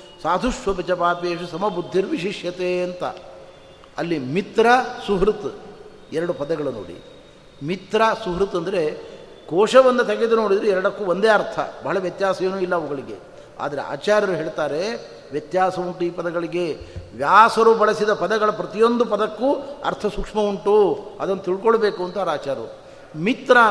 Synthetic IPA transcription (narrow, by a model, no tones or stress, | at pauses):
saːd̪ʱuʂʋɐpɛt͡ʃɐpaːpeːʂɐsɐmɐbud̪ʱːiɾʋiʃiʂjɐt̪eːɐnt̪ɐ̰ | ɐlːimit̪ɾɐsuɦɾut̪ | ɛɾɐɽupɐd̪ɐɡɐɭunoːɽḭ | mit̪ɾɐsuɦɾut̪ɐnd̪ɐɾe̞ | koːʂɐʋɐnd̪ɐt̪ɐɡed̪unoːɽid̪ɐɾeɛɾɐɽɐkːuːʋond̪eːɐɾt̪ʰɐ̰bɐɦɭɐʋjɐt̪jaːsɐjeːnuːilːɐːʋɐɡɐɭiɡe̞ | a̰ːd̪ɐɾe̞̰a̰ːt͡ʃaːɾjɐɾuɦeːɭt̪aːɾe̞ | ʋjɐt̪jaːsɐuɳʈuiːpɐd̪ɐɡɐɭiɡe̞ʋjaːsɐɾubɐɭɐsid̪ɐpɐd̪ɐɡɐɭɐpɾɐt̪ijo̞nd̪upɐd̪ɐkːuɐ̰ɾt̪ʰɐsukʂmɐuɳʈuɐd̪ɐnːɐt̪iɭkoɭɐbe̞ːkuɐnt̪ɐɐɾaːt͡ʃaːɾɐɾu | mit̪ɾɐ